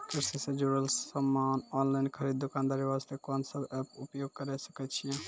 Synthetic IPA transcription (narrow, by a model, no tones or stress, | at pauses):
kiɾsisẽd͡ʒuɾələmːanɔnlaɪnkʰəɾid̪̚ːokand̪aːɾiʋast̪ʰekɔnsəbɛpupjoɡ̚kəɾɛsə̥kɛt͡ʃʰijɛ̃